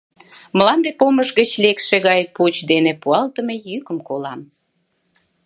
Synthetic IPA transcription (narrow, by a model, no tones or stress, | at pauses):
məlɑnd̪epoməʒɣət͡ɕlekʃeɣɑjput͡ɕd̪enepuɑlt̪əmejykəmkolɑm